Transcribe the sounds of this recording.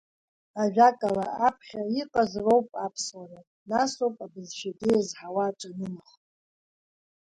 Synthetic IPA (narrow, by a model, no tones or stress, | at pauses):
aʒᶣakʼalaapʰχʲaiqʼazrowpʼapʰswana | nasowpʼabɨzʃadeazħawat͡ʃʷʼanɨmaχtʼ